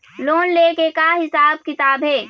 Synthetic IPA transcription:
loːnlekekaɦɪsaːb̚kɪt̪aːbɦeː

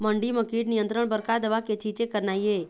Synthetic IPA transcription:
məɳɖiməkiːɖnijə̃nt̪ɾəɳbəɾkad̪əʋaket͡ʃit͡ʃekəɾnaːie

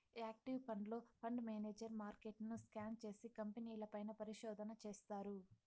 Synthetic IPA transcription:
aːk̚ʈiʋpʰɐɳɖlo̞ːpʰɐɳɖmeːneːd͡ʒɐɾmaːɾkeʈnuskaːnt͡ʃe̞ːsikɐmpeniːlɐpɐjnɐpɐɾiʃɔːd̪ɐnɐt͡ʃe̞ːst̪aːɾu

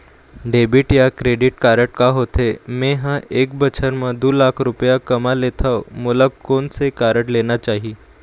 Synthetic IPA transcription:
ɖebiːʈjakɾeɽiʈkaɾəʈ̚kaɦot̪emeɦãʔek̚bʱət͡ɕʰənməd̪uːlakʰɾupjakəmalet̪ʰaʋmulakoɳsekaɾəʈlenat͡ɕaɦiː

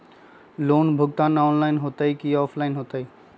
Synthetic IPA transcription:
loːnbʱʊɡ̚t̪ãːnɔːnlaːɪnɦoːt̪aikiːɔːpʰlaɪnɦoːt̪aiː

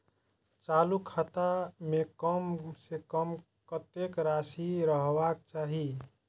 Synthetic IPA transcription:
t͡ʃaːlukʰat̪amekəmsekəm | kət̪ekɾasiɾəɦʋak̚t͡ʃaːɦi

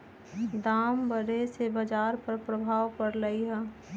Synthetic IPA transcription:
d̪aːmbəɾesebəd͡ʒaːɾpəɾpɾəbʱaːʋpəɾləiɦɛ̃

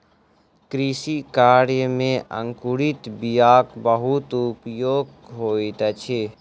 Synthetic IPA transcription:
kɾisikaːɾjəmẽʔə̰̃ŋkuɾit̪bijaːkbəɦut̪ʊpjoːɡ | ɦoːit̪ət͡ʃʰe

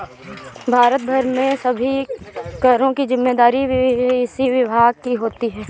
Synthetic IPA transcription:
bʱaːɾət̪̚bʱɐɾmẽsɐbʱikɐɾõkizɪmːeːd̪aːɾibɪsiʋɪbʱaːɡ̚kiɦoːt̪iɦɛː

